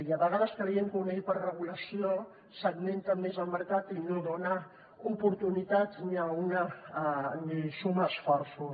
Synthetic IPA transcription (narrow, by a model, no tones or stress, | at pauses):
iaβəɣaðəskljeŋkunepəɾrəɣuləsio | səɡment̪əmːezəlməɾkat̪inoðona | upuɾt̪unit̪at̪niauna | nisumaːsfɔɾsu